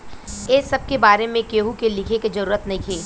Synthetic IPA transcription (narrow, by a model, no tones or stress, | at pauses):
eːsɐb̚kebaːɾemẽkeːɦukelɪkʰeked͡ʒɐɾuːɾət̪nɐɦĩkʰeː